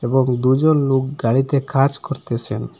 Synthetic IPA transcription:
ebɔŋd̪ud͡ʒonlok̚ɡaɽit̪ekʰad͡ʒkɔɾt̪et͡ʃʰen

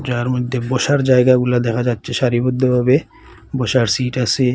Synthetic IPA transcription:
d͡ʑaɾmod̪ʱːeboʃaɾd͡ʑaeɡaɡulad̪ɛkʰad͡ʑatːɕʰeʃaɾibod̪ʱːobʱabe | boʃaɾsiʈasʰe

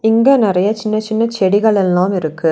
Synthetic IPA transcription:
ɪŋɡeːnɪɾɐjɐt͡ʃɪnːɐt͡ʃɪnːɐt͡ʃɛɽɪɣɐɭɛlːãːmɪɾɯkːɯ

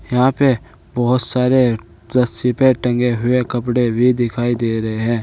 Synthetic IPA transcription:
jɐɦãpe | bɔɦʊt̪saːɾe | zɐst̪ipeʈə̃ŋɡeɦʊekɐpɽebʱid̪ɪkʰaːid̪eːɾɐɦeɦɛ̃ː

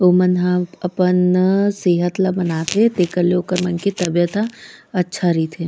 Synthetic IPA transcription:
oːmənɦaɐpənseːɦət̪labɐnaːt̪et̪eːkəɾleoːkəɾmɐnkit̪ɐbjət̪aɐtːʃʰaɾit̪ʰeː

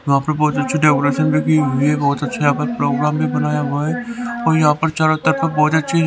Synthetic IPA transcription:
jɐɦãːpɐɾbɔːt̪ɐtːʃʰiɖɛːkoɾeʃənbʱikiɦʊiɛbɔːt̪ɐtːʃʰaakəɾpɾoːɡɾaːmbʱibɐnaːjaɦoeɔːɾjɐɦãpɐɾt͡ʃaːɾət̪ːəɾpɐɾbɔːt̪ɐtːʃʰi

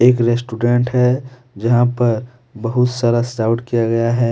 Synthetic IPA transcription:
eːkɾesʈuɖẽɳʈɦɛ | d͡ʒɐɦãpɐɾ | bɐɦʊt̪saɾəsɖaːʊʈkijaɡɐjaɦɛː

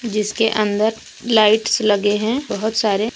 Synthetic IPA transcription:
d͡ʒɪskeʔə̃nd̪əɾ | laːɪʈslɐɡeɦɛ̃bɐɦʊt̪saːɾe

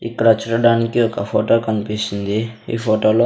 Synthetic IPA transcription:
ikːɐɽɐt͡ʃuɾɐɽaːnikiɔkɐpʰoːʈo̞ːkɐnipisind̪iḭːpʰoːʈoːloː

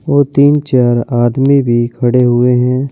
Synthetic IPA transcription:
ʋoːt̪iːnt͡ʃaːɾaːd̪mibʱikʰɐɽeɦʊeɦɛ̃ː

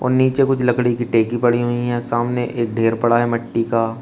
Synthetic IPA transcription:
ɔ̰ːɾniːt͡ʃekʊt͡ʃʰlɐkɽikiʈeːkipɐɽiɦʊiɦɛ̃ːsaːmneʔeːk̚ɖʱeːɾpɐɽaɦɛmɐʈːikaː

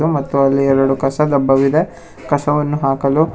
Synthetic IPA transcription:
umɐt̪ːuɐlːiɛɭɐɽukɐsɐd̪ɐbːɐʋid̪e | kɐsɐʋɐnːuɦaːkɐlu

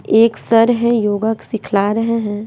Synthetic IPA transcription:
eːksɐɾɦɛ̃joːɡaksɪkʰlaːɾəɦeɦɛ̃ː

